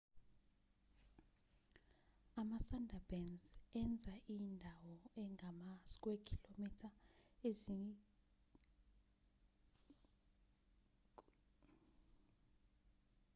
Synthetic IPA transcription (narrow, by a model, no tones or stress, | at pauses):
amasandʱab̥ɛnzɛnd͡zʱaʔindʱawɔɛŋʱamask̬ʼwekʰilomitʰaezi